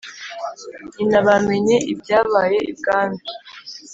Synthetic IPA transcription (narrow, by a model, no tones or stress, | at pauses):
inaβamweɲeʔib̚ɟaːβaːje̞ib̚ɡaːnbi